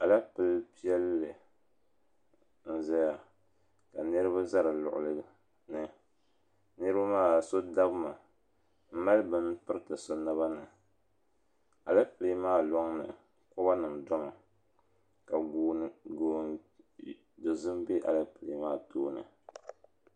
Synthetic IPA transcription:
a˨la˦pɨ˨˦lpi˦ɛ˦lːɨ˨ | n̩˦za˦ja˨ | ka˨nɨ˦ɾɨ˦ba˦za˦ɾɨ˨lʊ̰˨ʔʊ̰˨lɨ˦ | nɨ˦ | nɨ˦ɾɨ˦ba˦maː˦˨so˦da˦bɨ˦ma˨ | m̩˦ma˦lbɨ˦npɨ˦ɾɨ˦tɨ˨so˦na˦βa˦nɨ˨ | a˨lɨ˦pɨ˨li˨˦maː˦lɔ˦ŋnɨ̰˨ | kʊ˦ba˦nɨ˨mdɔ˦ŋɔ˨ | ka˨ɡuː˦ɡo˨ | do˨zɨ˦mbe˦ʔa̰˨lɨ˦pɨ˨li˨˦maː˦toː˦nɨ̰˨

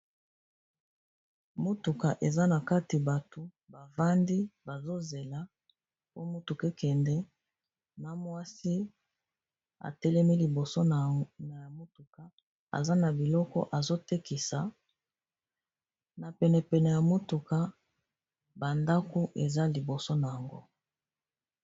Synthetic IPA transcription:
mo˦tu˨ka˨ʔe˨za˦na˨ka˦ti˨ba˨to˨ | ba˨va˦ndi˦ba˨zo˦ze˨la˨ | po˦mo˦tu˨ke˦kɛ˨ndɛ˦ | na˨mwa˦si˦ | a̰˨tɛ˦lɛ˦mi˦li˨bo˨so˦˨na˨ja˨mo˦tu˨ka˨ | a̰˨za˦na˨bi˨lɔ˦kɔ̰˦ʔa˨zo˦tɛ˦ki˨sa˨ | na˨pɛ˨nɛ˨pɛ˨nɛ˨ja˨mo˦tu˨ka˨ | ba˨nda˦ko˦ʔe˨za˦li˨bo˨so˦na˨ja˨ŋɡo̰˦

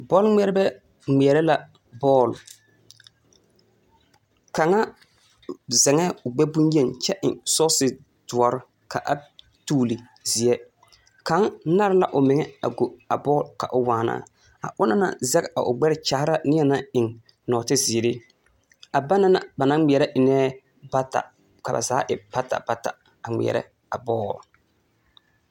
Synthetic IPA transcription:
bɔː˦lŋ͡mɛ˦ɾɛ˦bɛ˦ | ŋ͡mɛ˨ɾɛ˦la˨ | bɔː˦˨l | ka˨ŋa˦ | zɛ˨ŋɛ˦ʊ˨ɡ͡bɛ˦bu˦nje˦˨nt͡ʃɛ˦ʔɪ̰˨ŋsɔ˦sɪ˨ | du˨a˨ɾɪ˦ | kʰa˨ʔa˦ | tuː˦lɪ˨ | zi˨ɛ˦ | ka˨˦ŋna˦ɾɪ˦la̰˦ʔʊ˨mɪ˨ŋɛ˦a˨ɡo˨a˨bɔː˦lka̰˨ʔʊ˨waː˨na̰˦˨ | a̰˨ʔʊ˦na˦na̰˨zɛ˦ka˨ʔʊ˨ɡ͡bɛ˦ɾɪ˦t͡ʃa˨hɪ˦ɾa˦˨nɪ˦ɛ˦na˦ɪ˨ŋ | nɔː˨tɪ˦zɪː˨ɾɪ˦ | a˨ba˦na˦na̰˨ba˨nã˦ŋ͡mi˨ɛ˨ɾɛ˦ʔɪ˨nɛː˦ | ba˦ta̰˨ | ka˨ba̰˨zaː˨˦ʔɪ˨pa˦ta̰˨ba˦ta̰˨ | a˨ŋ͡mḭ˨ɛ̰˨ɾɛ̰˦ | a˨bɔː˦˨l

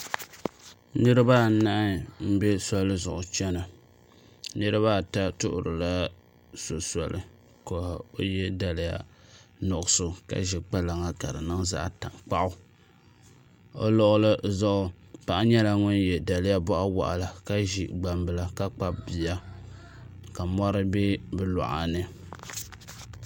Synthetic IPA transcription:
nɨ˦ɾɨ˦ba˦˨˦na˦ʔɪ˦m̩˦bɛ˦sa˦lɨ˦zʊ˨ʔʊ˨t͡ʃɛ˦na˨ | nɨ˦ɾɨ˦βa˦˨ta˦tʊ˦ʔʊ̰˨ɾɨ˨la˦ | so˨sa˨lɨ˨ | ko˨ho˦jɛ˦da˨lɨ˦ja̰˦nɔ˨ʔʊ˦sʊ˦ka̰˦ʒi˨k͡pa˦la˨ŋa˦ka˨ɾɨ˨nɨ˦ŋza̰˦ʔta̰˨ŋk͡pa˦ʔʊ˦ | o̰˦lɔ˦ʔʊ˦lɨ˦zɔ˦ʔʊ˦ | pa˨ʔa˦ɲɛ˦la˨ŋʊ˦njɛ˨da˨lɪ˦ja˦bɔ˦ʔa˦wa̰˨ʔa̰˨la˨ka˦ʒi˨ɡ͡ba˨mbɨ˨la˨ka˦k͡pa˦bbi˨a˦ | ka˨mɔ˦ɾɨ˦be˦bɨ˦la̰˨ʔa̰˨nɨ˨

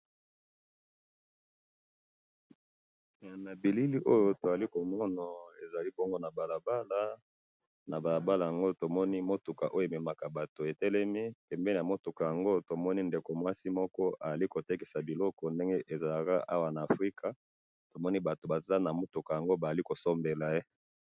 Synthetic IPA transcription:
a˨na˨bi˨li˦li˦ʔo˦jo˨to˨a˨li˦ko˨mɔ˦na˨e˨za˨li˦bɔ˦ŋɡo˦na˨ba˨la˨ba˦la˦ | na˨ba˨la˨ba˦la˨ja˨ŋɡo˦o˦˨to˨mɔ˦ni˦mo˦tu˨ka˨ʔo˦jo˨e˨me˨ma˨ka˨ba˨to˨e˨tɛ˦lɛ˦mi˦pɛ˨mbɛ˦n˨a˨mo˦tu˨ka˨ja˨ŋɡo˦to˨mɔ˦ni˦nde˨ko˨mwa˦si˦mɔ˦kɔ˦ʔa˨a˨li˦ko˨te˦ki˨sa˨bi˨lɔ˦kɔ˨nde˦ŋɡe˦ʔe˨za˨la˨ka̰˦ʔa˦wa˨na˨a˨fʁi˦ka˨ | to˨mɔ˦ni˦ba˨to˨ba˨za˦na˨mo˦tu˨ka˨ja˨ŋɡo˦ba˨za˨li˦ko˨sɔ˦mbe˨la˨e˦

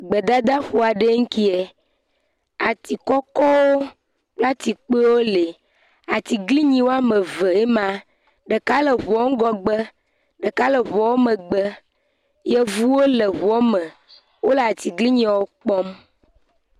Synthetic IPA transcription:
ɡ͡bə˨d̪a˦d̪a˦ɸo˨a˨ɖe˦ŋ̩˦ki˦e˨ | a˨t̪i˨kɔ˦kɔ˦wo˦ | k͡pla˦t̪i˨k͡pe˦wo˦le˨ | a˨t̪i˨ɡli˦ɲĩ˨wo˦a˦me˨və˨e˦mã˦ | ɖə˨ka˦lə˨βɔ˨˦ŋ̩˦ɡɔ˨ɡ͡bə˦ | ɖə˨ka˦lə˨βɔ˨wo˦mẽ˨ɡ͡bə˦ | jɛ˦vu˦wo˦le˨βɔ˦mɛ̃˨ | wo˦le˨a˨t̪i˨ɡli˦ɲĩ˦˨wo˦k͡pɔ˦m

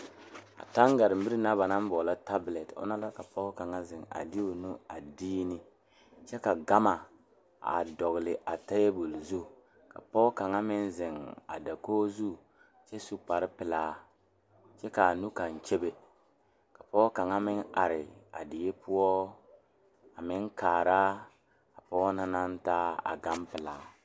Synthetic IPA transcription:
a̰˨ta˦ŋɡa˨ɾɪ˨m̩˨bi˦ɾi˦na˦βa˨na˦m˦bɔː˨la˦ta˦blɛ˨tʊ̰˦na˦la˦ka˨pɔ˦ka˨ŋa˦zɪ˨ŋa̰˨dɪ˦o˨nu˦a˨diː˦nɪ˦ | t͡ʃɛ˦ka˨ɡa˦ma˨ | a̰˨dɔ˨ɣlɪ˨ʔa˨ta˦je˦bu˨lzu˦˨ | ka̰˨pɔː˦ka˨ŋa˦mɪ˦nzɪ˨ŋa̰˨da˨koː˦zu˦˨ | t͡ʃɛ˦su˦k͡pa˨ɾɪ˦pɪ˨laː˦ | t͡ʃɛ˦ka˨nu˦ka˨nt͡ʃe˦be˦ | ka˨pɔː˦ka˨ŋa˦mɪ˦na˨ɾɪ˨a̰˨dɪ˨je˦pʰʊ˦ɔ˦ | a˨mɪ˦nkaː˨ɾa˦ | a˨pɔː˦na˦na˦ntaː˦a̰˨ɡa˦mpɪ˨laː˨˦

